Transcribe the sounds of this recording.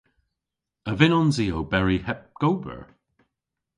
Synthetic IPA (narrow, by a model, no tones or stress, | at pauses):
əvɪnɔ̃nziːobɛɹihɛp̚ɡ̥owbə̰ɹ